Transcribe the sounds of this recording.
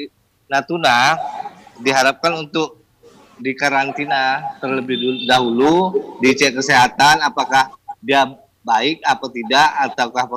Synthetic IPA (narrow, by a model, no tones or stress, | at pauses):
nat̪una | diɦaɾap̚kanunt̪ʊk̚ | dikaɾant̪inat̪ərləbɪhudaɦuludit͡ʃɛkəseɦat̪anapakahdia | baɪk̚apat̪idaʔat̪awkahpə